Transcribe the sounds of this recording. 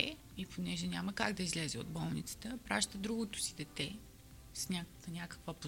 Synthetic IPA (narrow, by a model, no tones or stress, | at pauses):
ɛ̰ | ipʰonɛʒɛnʲaməkaɡd̪ɐizlɛzɛo̰d̪bɔlˠnit̪sə̥t̪əpɾaʃt̪əd̪ɾuɡot̪ʊ̥sid̪ɛt̪ɛ | snʲak̪ | nʲakə̥kvəpo